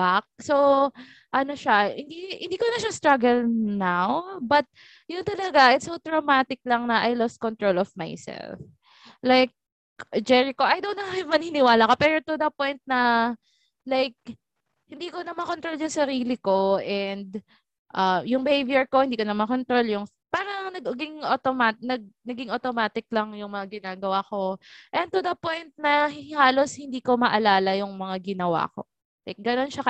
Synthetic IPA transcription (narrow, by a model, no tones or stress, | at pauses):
bak̚so | ʔɐnoʃahɪnd̪ihɪ̰nd̪iːkonɐʃast̪ɾaɡɐlnawbɐt̪̚ | jʊnt̪ɐlɐɡaʔɛt̪sɐwt̪ɹomat̪ɪk̚lɐŋnɐʔajlɔst̪̚kɔnt̪ɹolɔfma̰jsɛ̰lf | lajk̚ | d͡ʒɛɹɪko̞ʔɐjd̪ɐwnɐɛvmɐninɪwaːlakopɛːɾot̪ʊd̪ɐpojnt̪̚nɐ | lajk̚ | hɪnd̪iːkonɐmɐkont̪ɾoljʊŋsɐɾiːlɪko̞ʔɛnd̪̚ | ʔɐjʊŋbɛhejbjɛɹko̞hɪnd̪iːkonɐmɐkont̪ɾoljʊŋ | paːɾɐŋnɐɡɡɪŋʔot̪omanɐɡ̚nɐɡɪŋʔot̪omaːt̪ɪk̚lɐŋjʊŋmɐŋaɡɪnaːɡɐwaːko̞ʔɛn̚t̪ʊd̪ɐpojnt̪̚nɐɦhaːlo̞shɪnd̪iːkomɐʔɐlaːlɐjʊŋmɐŋaɡɪnɐwa̰ːko̞̰ | lajk̚ɡɐno̞nʃakɐ